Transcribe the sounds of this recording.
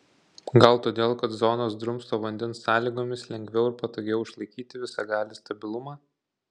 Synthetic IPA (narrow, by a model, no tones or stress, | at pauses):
ɡɐlˠt̪oːd̪ʲeːlˠkɐt̪zɔnoːsd̪ɾʊmst̪oːʋɐnʲd̪ʲɛnsːɑːlʲiːɡoːmʲɪslʲɛŋʲɡʲʋʲɛʊɪɾpɐt̪oːɡʲɛʊɪʃlˠɐɪkʲiːt̪ʲɪʋʲɪsɑɡɑːlʲɪst̪ɐbʲɪlˠʊmɑː